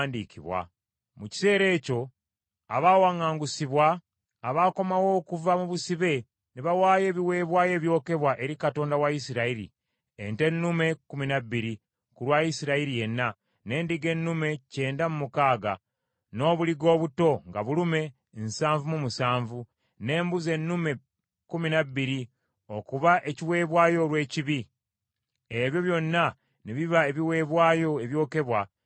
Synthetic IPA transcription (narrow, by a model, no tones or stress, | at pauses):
ndiːkʰiβwa̰ | muci̥se̞ːɾe̞ːco̞ | aβawaŋaːŋɡusiβwaː | βako̞mawo̞ːkuvamuβusiβe̞ | niβawaːje̞ːβiwe̞ːβwaːje̞ːβjo̞ːke̞βwaʔe̞ɾikato̞ːndawaisiɾaiɾḭ | ente̞nːume̞kuminaβːiɾi | kulwajisiɾaiɾije̞nːa | ne̞ːndiɡe̞nːume̞ce̞ːndamumukaːɡa | no̞ːβuliɡo̞ːβuto̞ŋɡaβulume̞ | nsaːɱvumumusaːɱvu | ne̞ːmbuze̞nːume̞ | kuminabːiɾi | o̞kuβaʔe̞ciwe̞ːβwaːjo̞lwe̞ːciβi | eβjo̞βjo̞nːa | neβiβaeβiwe̞ːβwaːjo̞eβjo̞ːke̞βwa